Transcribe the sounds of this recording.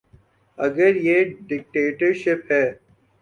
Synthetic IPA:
ɐɡəɾjeːɖɪk̚ʈeːʈəɾʃɪpɦɛː

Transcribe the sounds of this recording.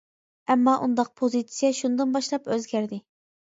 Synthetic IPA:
ɛmːɑʔund̪ɑq̚pʰozit̪sijɛʃund̪ɨnbɑʃlˠɑpøzɡʲæɾd̪ɪ

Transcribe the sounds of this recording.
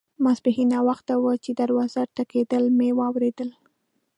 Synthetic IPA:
masbɪhinawaxt̪awət͡ʃed̪aɾwɑzaɾt̪aked̪əlmewɑwɾed̪əl

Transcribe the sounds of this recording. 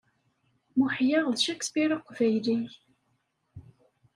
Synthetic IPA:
muħjɑʁðʃæksbiɾaqːvæjliç

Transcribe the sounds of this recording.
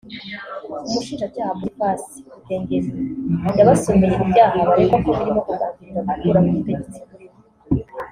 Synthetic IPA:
umuʃiːnʒacaːhamuɾipaːsi̥uteːŋɡezendaβasoːmeɾeʔibjaːhaβaɾekokoβiɾimo̞kuɡaːŋiiɾamatuɾamumuteet͡si̥

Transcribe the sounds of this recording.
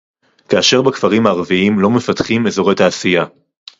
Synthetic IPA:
kaːʃe̞ʁbakfaʁimhaːʁviimlo̞me̞fatχime̞zo̞ʁetaːsija

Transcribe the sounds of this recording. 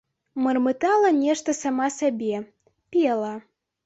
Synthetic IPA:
mərmɨt̪ɑlˠənʲeʂt̪əsamɑsabʲe | pʲelˠə

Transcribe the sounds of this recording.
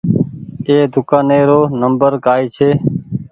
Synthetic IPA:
eːd̪ʊkaːneːɾoːnəmbəɾkaːiːt͡ʃʰeː

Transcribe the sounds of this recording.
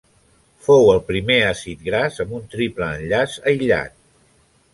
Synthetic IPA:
fowəlˠpɾimeasit̪̚ɡɾazəmbunt̪ɾipləːnʎazəjʎa̰t̪

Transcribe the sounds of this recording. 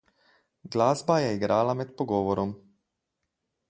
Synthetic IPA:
ɡlaːzbajɛiɡɾaːlamɛt̪pɔɡɔːʋɔɾɔm

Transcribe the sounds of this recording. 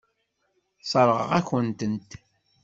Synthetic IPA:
sˤəɾˤʁə̰ʁæçənt̪ənt̪

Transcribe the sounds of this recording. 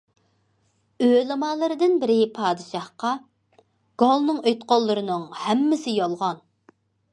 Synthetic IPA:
ølˠɨmɑːlˠɨɾɨd̪ɨnbɪɾɪpʰɑːd̪ɨʃɑhqɑ | ɡ̥olˠnɨŋøjt̪qolˠːɨɾɨnɨŋhɛmːɪsɪjolˠʁɑn

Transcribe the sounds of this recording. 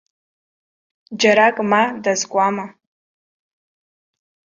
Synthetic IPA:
d͡ʒaɾakʼmadazkʷʼama

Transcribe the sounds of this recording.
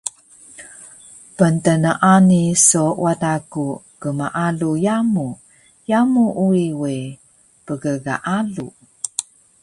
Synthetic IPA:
pənt̪ənəʔanisowataku | kəmaʔalujamu | jamuʔuiwe | pəɡəɡa̰ʔalu

